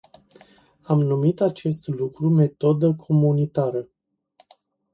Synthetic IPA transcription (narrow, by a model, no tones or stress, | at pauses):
amnumit̪at͡ʃe̞st̪lukɾume̞t̪o̞d̪əkʰo̞munit̪aɾə